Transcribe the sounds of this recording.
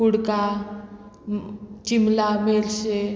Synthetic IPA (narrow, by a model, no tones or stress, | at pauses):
uɽka | t͡ʃimlamelse